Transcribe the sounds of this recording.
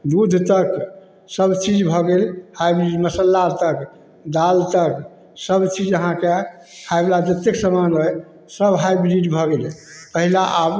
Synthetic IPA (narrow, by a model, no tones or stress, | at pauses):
d̪ud̪ʱt̪ək | səbt͡ʃid͡ʒbʱɔɡelhajbɾiɖməsəlːat̪ək | d̪alt̪ək | səbt͡ʃid͡ʒəɦãke | hajblad͡ʒət̪eksəmanɦə | səbɦajbɾiɖbʱɔɡelpəɦilaʔab